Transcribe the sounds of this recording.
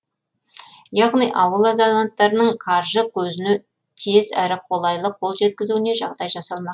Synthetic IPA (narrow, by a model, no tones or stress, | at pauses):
jɑʁnijʔɑwəlˠɑzɑlˠant̪ːɑɾənəɴkʰɑɾʒəkʲʰɵzɪne | t̪ʰezæ̰ɾɪqʰo̞lˠɑjlˠəqʰːo̞lˠʒe̞t̪kʲɪzuwɪne̞ʒɑʁd̪ɑjʒɑsɑlˠmɑq